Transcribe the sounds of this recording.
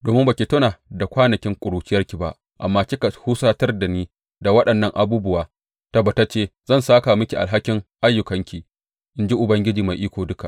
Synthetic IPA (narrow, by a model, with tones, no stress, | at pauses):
doː˨mɪ˦mba˨kʲi˨tʊ˦naː˨da˨kʷaː˦nɐ˨kʲɪ˦ŋkʷʼʊ˨ɽuː˨t͡ʃɪ˦jɐ˦rkʲi˨ba̰˦ʔ | ʔa̰˨mːaː˦kʲi˦ka˨huː˦saː˦tɐ˦rda˨niː˦ | da˨wɐ˦ɗɐ˨nːɐ˦ŋʔa̰˨buː˦bʊ˦waː˨ | ta˦ba˨ta˦t͡ʃeː˦zɐ˦˨nsaː˦ka˨mʊ˦kʲi˨ʔa̰˨lɦa˦kʲɪ˦ŋʔa˦jːʊ˨kɐ˦ŋkʲiː˨ | ʔɪ˦nd͡ʒi˦ʔʊ˨bɐ˦ŋɡʲɪ˦d͡ʒiː˨ma˨jʔiː˦kʷoː˨dʊ˦ka˨ʔ